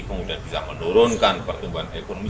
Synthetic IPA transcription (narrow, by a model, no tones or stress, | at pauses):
puŋudahbisa̰mənuɾʊnkanpərt̪umbuɦanekonomi